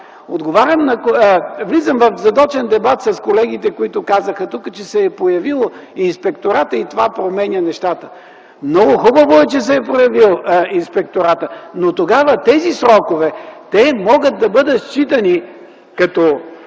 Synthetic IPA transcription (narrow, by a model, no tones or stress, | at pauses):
od̪ɡovaɾʲɐmnɐkvlizəmvɐfzɐd̪ɔt͡ʃɛnd̪ɛbat̪sɐskolɛɡit̪ɛkoit̪ʊkazəxɐt̪ukət͡ʃɛsɛːpojɐvilˠoinspɛkt̪oɾat̪əit̪ovapɾomɛnʲjɐnɛʃt̪at̪ə̥ | mnɔɡʊxubəvoɛt͡ʃɛs̬ɛːpɾojɐvilˠinspɛk̚t̪oɾat̪ənot̪oɡavət̪ɛzisɾɔkovɛt̪ɛmɔɡət̪̚d̪ɐbɤd̪ət̪st͡ʃit̪ɐni | kɐt̪ɔ